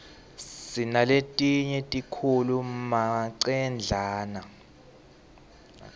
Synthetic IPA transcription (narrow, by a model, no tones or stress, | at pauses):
sinaletʼiɲɛtʼikʰulumaǀɛnd͡ɮʱaːna